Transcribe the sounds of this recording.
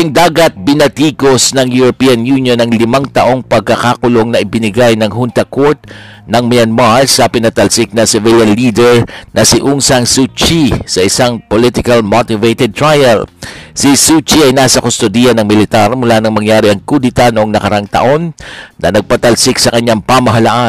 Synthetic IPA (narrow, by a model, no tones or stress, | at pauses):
ɪŋd̪aːɡɐt̪̚bɪnɐt̪iːkosnɐŋjuɾopijɐnjunjonɐŋlɪmaŋt̪ɐʔo̞ŋpɐɡ̚kakakʊloŋnɐʔɪbɪnɪɡajnɐŋɦunt̪ɐkoɹt̪̚ | nɐŋmɪjɐnmaɹsɐpɪnɐt̪ɐlsɪk̚nɐsɛvɪljɐnliːd̪ɛɹnʔɐsɪʔuŋsaŋsut͡ʃisɐʔɪsaŋpolɪt̪ɪkɐlmot̪ɪvejt̪ɛd̪̚t̪ɹajɐlsisut͡ʃiɐjnaːsɐkost̪od̪ijɐnɐŋmɪlɪt̪aɾmʊlanɐŋmɐŋjaːɾɪʔɐŋkud̪ɪt̪anoʔoŋnɐkɐɾaŋt̪ɐ̰ʔo̞nːɐnɐɡ̚pɐt̪ɐlsɪksɐkɐɲːaŋpamɐɦɐlaʔa